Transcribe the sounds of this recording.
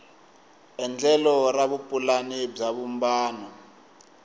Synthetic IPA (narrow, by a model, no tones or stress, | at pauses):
ɛnd͡ɮɛlɔraβupʼulanib͡ʐaβumbaːnɔ